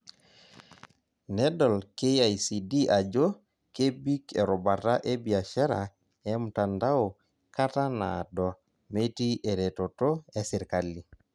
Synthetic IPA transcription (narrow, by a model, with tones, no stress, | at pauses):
nɛ˦dɔ˨lke˦a˨isi˨di˦ʔa˨d͡ʒo˦ | ke˦bi˦ke˨ɾo˨ba˨ta˦ʔe˦bi˨a˨ʃa˦ɾa˨ | ɛ˦m̩˨ta˨nda˦o˨ | ka˦ta˦na̰˨dɔ˨ | me˦ti˦ʔe˨ɾe˨to˨to˦e˦sɪ˨ɾka˨li˨